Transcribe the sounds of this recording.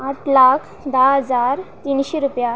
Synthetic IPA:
aʈlakʰ | d̪aɦəd͡zaɾt̪inɕeɾupja

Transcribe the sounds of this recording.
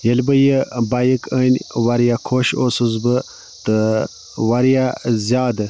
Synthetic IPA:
jəlbəjəbajikʰənʲwaɾjakʰoɕosuzbə | t̪ə | waɾjazʲjaːd̪ə

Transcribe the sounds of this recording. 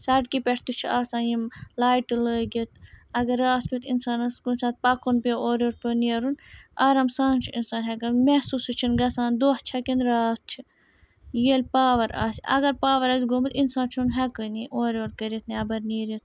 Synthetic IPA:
sɐɖkipʲɛʈʰt̪ut͡ʃʰiaːsãːnjimlaːjʈləːɡʲit̪̚ʰɐɡɐɾːaːskʰʲut̪insaːnɐskunʲsaːt̪̚pɐkunpeoːɾoːɾpʲɨniɐɾunɐɾɐmsaːnt͡ʃʰiinsaːnɦɛkɨnmɛhsusɨt͡ʃʰinɡɐsãːnd̪oːht͡ʃʰɐkinɾaːs̚t͡ʃʰi | jeːlʲpaːʋɐɾa̰ːsʲɐ̰ɡɐɾpaːʋɐɾɐsɡomɨt̪insaːnt͡ʃʰunɦɛkɨniʔoːɾʲoːɾkɐɾit̪ʰniɐbɐɾniːɾit̪ʰ

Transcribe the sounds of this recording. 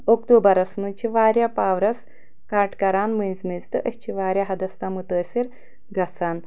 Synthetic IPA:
okt̪oːbɐɾɐsnut͡ʃʰiʋaːɾjapaːʋɾɐs | kaːɾʈkɐɾaːnmɨnʲzmizt̪ɨʔɐst͡ʃʰiʋaːɾʲjaɦɐd̪ɐst̪aːmut̪əːsiɾ | ɡɐsaːn

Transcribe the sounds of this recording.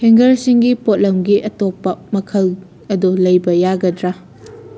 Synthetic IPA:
heŋɡɐɾsiŋɡipot̚lɐmɡiʔɐtopːɐmɐkʰɐl | ɐdulɐjbɐjaɡɐdɾa

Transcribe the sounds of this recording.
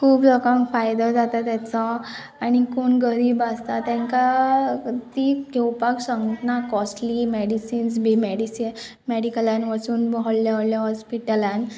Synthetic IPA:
kʰuːpd͡zɔkãŋfajd̪əd͡zat̪at̪jat͡sɔ | anikonɡəɾiːbast̪at̪jãŋka | t̪iɡʱewpaksəŋɡʈnakɔsʈlimeɽisiːns̬bimeɽisi | mɛɽikəlãnʋat͡suːnbɔɦɔɭljaɔɭljaɦɔspiʈəlan

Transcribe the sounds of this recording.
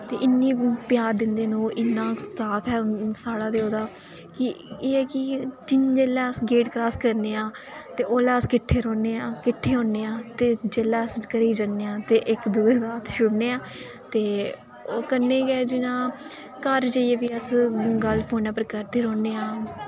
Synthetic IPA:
t̪eːʔɪnːiːpɪjaːɾd̪ɪnd̪eːnũːʔɪnːãːsaːt̪ʰɛːsaːɽaːd̪eːoːd̪aː | kɪ | eːɛːkɪd͡ʒɪnd͡ʒeːlɛ̃ːəsɡeːʈkɾaːskəɾneːãː | t̪eːʔoːlaːəskɪʈʰːeːɾɔ̃ːneːãːkɪʈʰːeːɦõːneːãːt̪eːd͡ʒeːlɛ̃ːəskəɾiːd͡ʒənːeːãːt̪eːʔɪkd̪uːeːsaːt̪ʰʃʊɽneːãː | t̪eː | oːkənːeːɡɛːd͡ʒɪnãː | kəɾd͡ʒaːieːʋiːəsɡəlpʰoːnãːpəɾkəɾd̪eːɾɔ̃ːneːãː

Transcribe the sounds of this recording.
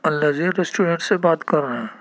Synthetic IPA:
ɐlːaziɾesʈuːɖɛ̃ɳʈsebaːt̪kɐɾːɐɦɛ̃ː

